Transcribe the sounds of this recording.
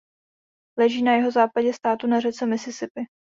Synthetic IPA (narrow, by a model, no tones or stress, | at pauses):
lɛʒiːnajɛɦo̞zaːpaɟɛst̪aːt̪unarɛt͡sɛmɪsɪsɪpɪ